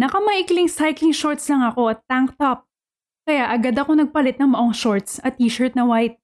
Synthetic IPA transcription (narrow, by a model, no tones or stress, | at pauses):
nɐkɐmɐʔiklɪŋsajklɪŋʃoɹt̪slɐŋɐko̞ʔɐt̪ːaŋk̚t̪ɐp̚ | kɐjaʔɐɡad̪ɐko̞nɐɡ̚pɐlɛt̪̚nɐŋmɐʔoŋʃoɹt̪sɐt̪ːiːʃɛɹt̪̚nɐwajt̪̚